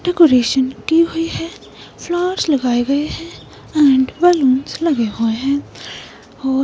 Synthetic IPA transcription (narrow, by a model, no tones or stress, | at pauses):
ɖɛːkoːɾeːʃənkiɦoiɦɛː | pʰlɔːɾslɐɡaːeɡɐeɦɛ̃ː | ɛ̃ːɳɖbɛːluːnslɐɡeɦoːeɦɛ̃ː | ɔː